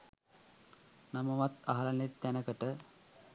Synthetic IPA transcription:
naməʋat̪aɦalanet̪ːænəkəʈə

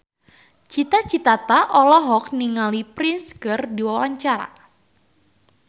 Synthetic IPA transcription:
t͡ʃit̪at͡ʃit̪at̪aʔɔlɔɦɔk̚niŋalipɾinskɨrdiwawaɲt͡ʃaɾa̰

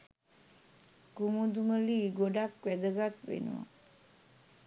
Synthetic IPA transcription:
kumud̪uməliːɡoɖakʋæd̪əɡat̪ʋḛnṵʋa̰

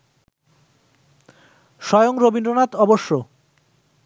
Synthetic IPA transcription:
ʃɔjoŋɾobinɖɾonat̪ɔboʃːo

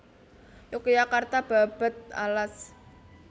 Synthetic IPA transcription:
jokjakart̪ab̥a̤b̥ə̤t̪̚a̰las

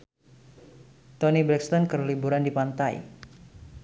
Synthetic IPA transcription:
t̪ɔnibɾɛkst̪ɔnkərlibuɾandipant̪aj̰

